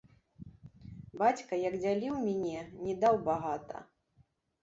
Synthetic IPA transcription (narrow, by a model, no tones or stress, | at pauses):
bat͡sʲkɐjɐɡd͡zʲalʲiwmʲɛnʲɛnʲɛd̪awbaɣat̪ɐ̰